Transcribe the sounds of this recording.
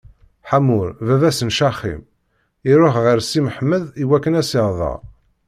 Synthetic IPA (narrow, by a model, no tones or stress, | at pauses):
ħamʊɾvævæsənʃɑχːḭm | iɾoχʁəɾsiməħmːəðiwækːənæsɪʁðˤɑ̰ʁ